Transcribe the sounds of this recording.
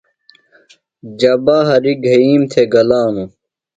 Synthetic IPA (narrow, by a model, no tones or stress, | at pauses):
d͡ʑɐbaːɦɐɾiɡʱɐiːmt̪ʰeɡɐlaːnũ